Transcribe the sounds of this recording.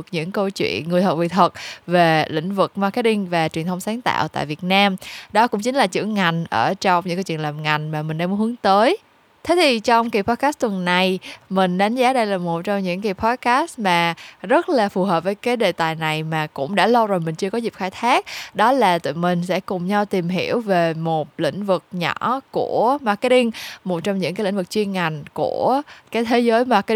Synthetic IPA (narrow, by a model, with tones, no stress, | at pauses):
ə˩k̚ɲɨ̰˧˥ŋkə˧wt͡ɕwḭ˧˨ənŋɨ˨˩jt̪ʰə˨˩vḭ˧˨t̪ʰwə˨˩t̚ve˨˩lḭ˧˥˨ŋ̟vɨ˨˩k̚ma˧ke˧˦˥t̚ɗï˧ŋ̟vaː˨˩t͡ɕwi˨˩ənt̪ʰwŋ͡msaː˨˦nt̪a̰ː˧˨wt̪a̰ː˧˨jvi˨˩ət̚naː˧mɗɔ˨˦kʊ̰˧˥ŋ͡mt͡ɕï˨˦ŋ̟laː˨˩t͡ɕɨ̰˧˥əŋŋa˨˩jŋ̟ʔəː˧˩t͡ɕɔ˧wŋ͡mɲɨ̰˧˥ŋkːa˧wt͡ɕwi˧˨ə˨laː˨˩mŋa˨˩jŋ̟maː˨˩mï̟˨˩ɗɛ˧m˨˦hɨ˨˦əŋt̪əː˨˦j | t̪ʰe˨˦˥t̪ʰi˨˩t͡ɕɔ˧wŋ͡mki˨˩pʰɔ˧t̚kaː˦˥st̚t̪wə˨˩nːa˨˩jmï˨˩ŋ̟ɗa˨˦jŋ̟zaː˨˦ɗə˧jlaː˨˩mo˨˩t̚t͡ɕɔ˧wŋ͡mɲɨ̰˧˥ŋki˨˩pʰɔ˧t̚kaː˦˥st̚maː˨˩zə˦˥t̚laː˨˩fu˨˩ɦəː˨˩p̚vəː˨˦jkaː˨˦jɗe˨˩t̪aː˨˩jna˨˩jmaː˨˩kʊ̰˧˥ŋ͡mɗa̰ː˧˥lə˧wzoː˨˩jmï˨˩ŋ̟t͡ɕɨ˧əkɔ˨˦zi˨˩p̚xaː˧jt̪ʰaː˦˥k̚ɗɔ˨˦laː˨˩t̪ɨ̰˧˨mï˨˩ŋ̟sɛ̰˧˥kʊ˨˩ŋ͡mɲa˧wt̪i˨˩mɦḭ˧˩əwve˨˩mo˨˩t̚lḭ̈˧˥ŋ̟vɨ˨˩k̚ɲɔ̰˧˩˥ku˧˩əma˨˩kɗi˧ŋmo˨˩t̚t͡ɕɔ˧wŋ͡mɲɨ̰˧˥ŋkaː˨˦jlï˧˥ŋ̟vɨ˨˩k̚t͡ɕwi˧ənŋa˨˩jŋ̟ku˧˩əkaː˨˦jt̪ʰe˨˦zəː˨˦jma˨˩k